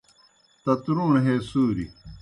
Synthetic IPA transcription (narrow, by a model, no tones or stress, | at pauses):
t̪ɐt̪ɾuːɳɦeːsuːɾḭ